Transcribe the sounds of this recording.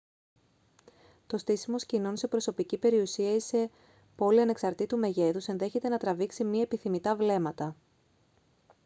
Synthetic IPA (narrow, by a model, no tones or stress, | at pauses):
t̪o̞st̪isimo̞scino̞nse̞pɾo̞so̞picipe̞ɾiusiɐise̞ | po̞liɐne̞ksɐɾt̪it̪ume̞ʝe̞ðuse̞nðe̞çe̞t̪e̞nɐt̪ɾɐviksimɲɐepiθimit̪ɐvle̞mɐt̪ɐ